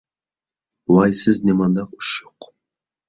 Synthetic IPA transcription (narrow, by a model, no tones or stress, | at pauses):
lˠɑjsɪznʲemɑnd̪ɑqʊ̥ʃoq